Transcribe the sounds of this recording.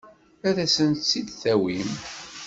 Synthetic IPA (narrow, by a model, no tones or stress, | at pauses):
æðæsənt̪t͡sːid̪θæwim